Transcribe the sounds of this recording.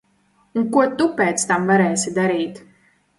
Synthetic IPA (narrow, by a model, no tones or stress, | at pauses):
uŋkɔt̪ːupːɛt̪st̪amvaɾɛsid̪aɾet̪